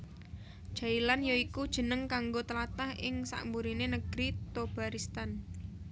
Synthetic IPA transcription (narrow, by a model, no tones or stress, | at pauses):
ʒ̥ailanjoikud̥ʒ̥ə̤nəŋkaŋɡot̪əlat̪ahɪŋsa̰ʔmbuɾinenəɡ̥ɾit̪ob̥a̤ɾist̪an